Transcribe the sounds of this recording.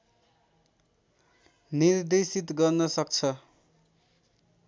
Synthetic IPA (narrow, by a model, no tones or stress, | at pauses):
nird̪esit̪ɡʌrnʌsʌkt͡sʰʌ